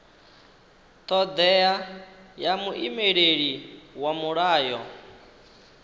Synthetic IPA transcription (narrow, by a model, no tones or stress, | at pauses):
t̪ʰʼɔd̪ɛjajamuʔimeɺeɺiwamuɺaːjɔ